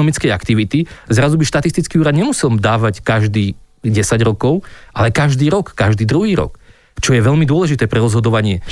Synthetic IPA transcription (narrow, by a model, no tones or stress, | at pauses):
ɔmit͡skɛjakt̪iʋit̪izɾazubiʃt̪at̪ist̪it͡skiuːɾad̪ɲɛmusɛld̪aːʋackaʒd̪iː | ɟɛsaɟɾɔkɔʊʔalɛkaʒd̪iːɾɔkːaʒd̪iːd̪ɾuɦiːɾɔ̰k | t͡ʃɔjɛʋɛʎmid̪ʊɔlɛʒit̪ɛːpɾɛɾɔzɦɔd̪ɔʋaɲɪɛ